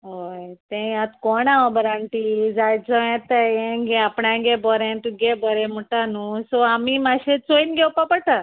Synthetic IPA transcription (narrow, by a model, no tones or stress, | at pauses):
ɦojt̪ɛ̃jãt̪kɔɳaɔbəɾaɳʈiːd͡zajt͡sɔɛ̃t̪əɛ̃ɡɛapɳãɡɛbɔɾɛ̃nt̪uɡɛbɔɾɛ̃m̤uʈanusɔamiːmaɕet͡soinɡɛwpapəɽʈa